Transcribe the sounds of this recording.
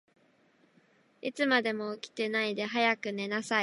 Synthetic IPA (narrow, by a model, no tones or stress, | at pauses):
it͡sɨmad̪e̞mo̞ɯkʲi̥t̪e̞naid̪e̞ɦajakɯ̟ne̞nasai